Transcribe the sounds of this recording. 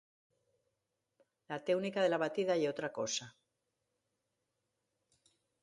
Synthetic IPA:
lat̪ewnikaðe̞laβat̪iðajeo̞t̪ɾako̞sa

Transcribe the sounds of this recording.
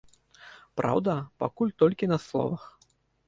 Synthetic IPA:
pɾa̰wd̪ɐpa̰kulʲt̪ɔlʲkʲinɐslˠɔ̰vɐx

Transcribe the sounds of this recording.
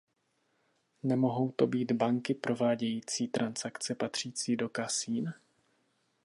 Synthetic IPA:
nɛmo̞ɦo̞wt̪o̞biːd̪baŋkɪpɾo̞vaːɟɛjiːt͡siːt̪ɾansakt͡sɛpat̪r̝̥iːt͡siːdo̞kasiːn

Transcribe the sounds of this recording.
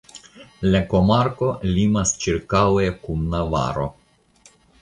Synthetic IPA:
lekomaɾko̞limast͡ʃiɾkawekumnava̰ɾo̰

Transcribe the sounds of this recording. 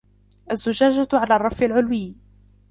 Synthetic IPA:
ʔazːʊd͡ʒaːd͡ʒaʕalaːrˤːɑfɪlʕʊlwɪː

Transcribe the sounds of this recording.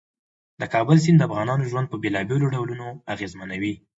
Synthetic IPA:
d̪̥əkɑbəls̬ind̪əafɣɑnɑnoʒwand̪̚pəbelɑbeloɖawlunoaɣezmanawi

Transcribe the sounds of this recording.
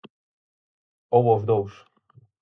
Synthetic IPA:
ɔwɔvd̪ɔwʂ

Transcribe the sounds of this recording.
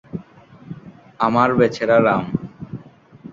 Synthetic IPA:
amaɾbet͡ɕʰeɾaɾam

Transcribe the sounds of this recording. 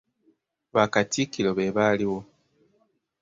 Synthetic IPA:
βakatikilo̞βe̞βaliwo̞

